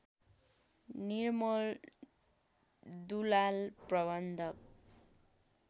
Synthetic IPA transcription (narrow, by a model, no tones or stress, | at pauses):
nirmʌl | d̪ulalprʌβʌnd̪ʱʌk̚